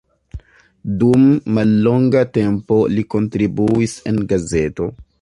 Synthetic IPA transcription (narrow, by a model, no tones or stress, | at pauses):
dumːalːo̞ŋɡate̞mpo̞liko̞ntɾibuise̞nɡaze̞to̞